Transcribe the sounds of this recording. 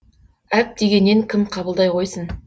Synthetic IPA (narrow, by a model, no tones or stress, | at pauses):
æp̚d̪e̞ɡʲe̞nːeŋkʲʰɪmqʰɑbəlˠd̪ɑjqʰo̞jsən